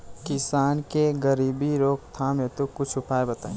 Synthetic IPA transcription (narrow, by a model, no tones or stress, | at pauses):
kɪsaːnkeɡəɾiːbiɾoːk̚t̪ʰãmẽt̪okʊt͡ʃʰʊpʰaːebɐt̪aẽ